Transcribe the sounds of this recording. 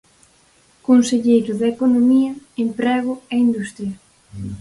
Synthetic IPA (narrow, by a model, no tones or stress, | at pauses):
konseʎejɾʊðeekonomiɐempɾɛɣ̞ʊɛind̪ust̪ɾjɐ